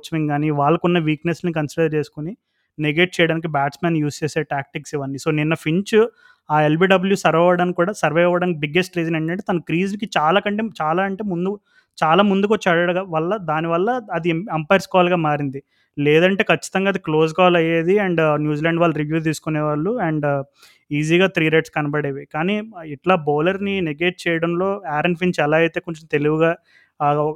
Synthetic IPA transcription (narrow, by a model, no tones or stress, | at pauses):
t͡ʃːɐʋiŋɡaːniʋaːɭːɐkunːɐʋiːkneslnikɐnsiɽɐɾt͡ʃe̞ːsu̥kuni | neɡe̞ːʈ̚t͡ʃɛːjɐɽaːnik̬ibaːʈsmeːnjuːst͡ʃeːseʈaːk̚ʈiksiʋɐɳːiso̞ːninːɐpʰiɲt͡ʃ | aːelbiːɖɐbuljusɐɾʋɐʋɐɽaːnikuːɽaːsɐɾʋɐjɐʋːɐɽaːnikibiɡːesʈɾiːd͡ʒɐneːɳʈɐɳʈ̬eːt̪ɐnɐkɾiːzʋik̬it͡ʃaːlaːkɐɳʈeːt͡ʃaːlaːɐɳʈe̞ːmund̪u | t͡ʃaːlaːmund̪ukot͡ʃːaːɽɐɽʋɐlːɐd̪aːniʋɐlːɐːd̪iempɐjɾskɔːaːlɡaːmaːɾind̪i | lɛːd̪ɐɳʈe̞ːkʰɐt͡ʃːi̥t̪ɐŋɡaːd̪iklo̞ːs̬ɡaːlɐjeːd̪iɐɳɖnjuːziːlɐɳɖʋaːɭːɐɾiʋjuːt̪̬iːsu̥kuneːʋaːɭːuɛɳɖ | iːziːɡaːt̪ʰɾiːɾeʈskɐnɐbɐɽeːʋikaːniːiʈlaːboːlɐɾnineɡe̞ːʈ̚t͡ʃɛːjɐɽɐmlo̞ːaːɾɐɳɖpʰinsɛlaːjit̪e̞ːkoɲt͡ʃɐmt̪e̞luʋuɡaː